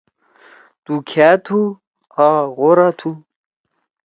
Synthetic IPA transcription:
t̪ukʰaːt̪ʰu | aɣoɾat̪ʰu

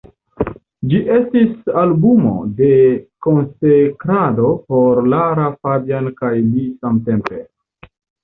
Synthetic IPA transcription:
d͡ʒiʔe̞stisalbumo̞̰de̞ko̞nsekɾado̞po̞ɾlaɾafabjankajlisamte̞mpe̞

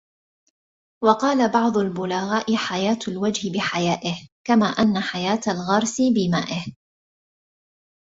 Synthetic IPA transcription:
wɑqɑːlabɑʕd̪ˤʊlbʊlaɣaːʔɪħajaːt̪ʊlwad͡ʒhɪbɪħajaːʔɪhkamaːʔanːaħajaːt̪alɣɑɾˤsɪbɪmaːʔɪh

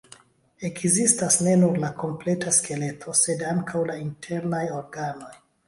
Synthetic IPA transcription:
e̞kzistasne̞nuɾlakʰo̞mple̞taskʰe̞le̞tʰo̞se̞daŋkʰawlaintʰe̞ɾnajo̞ɾɡano̞j

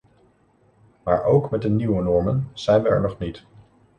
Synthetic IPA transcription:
maːɹʔowkmɛt̚dəniwənɔɹmənz̥ɛjnʋəɛ̰ɹnɔχnit

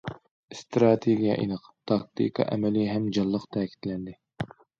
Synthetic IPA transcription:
st̪ɾɑt̪ʰeɡʲijɑ̰ʔḭnɨqt̪ʰɑk̚t̪ʰḭkʰɑ̰ʔɛmɛliɦɛmd͡ʒɑlˠːəqt̪ʰɛːkʲʰi̥t̪ʰlɛnd̪ɪ

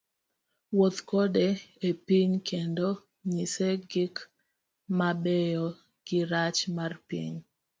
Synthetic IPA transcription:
wot̪kodeepiɲkʰendo | ɲiseɡɪk | mabejo | ɡ̥ɪɾat͡ʃmarpḭɲ

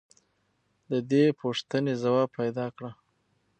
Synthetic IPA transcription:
d̪əd̪epʰoʂt̪ənezawɑb̚pʰajd̪ɑkɽa

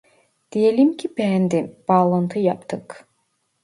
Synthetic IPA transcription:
d̪̥ijelimcʰibɛænd̪imb̥ɑːlˠɑnt̪ʰɯjɑpt̪ʰɯk

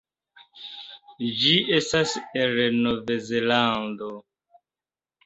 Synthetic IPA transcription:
d͡ʒiʔestaseɾnovezelando

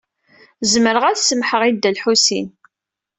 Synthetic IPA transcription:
zməɾəʁæθsəmħəʁid̪ːælħusḭn

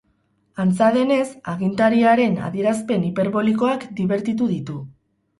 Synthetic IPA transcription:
ant͡saðe̞ne̞saɣ̞int̪aɾiaɾe̞na̰ðie̞ɾaspe̞nipe̞ɾβo̞liko̞akd̪iβe̞ɾt̪it̪̬uðit̪u

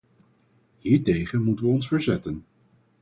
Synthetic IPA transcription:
hiːɹtejχənmutəʋəɔnsfəɹzɛtən

